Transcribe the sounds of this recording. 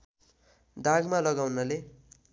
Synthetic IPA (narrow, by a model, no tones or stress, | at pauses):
d̪aɡmalʌɡawnʌle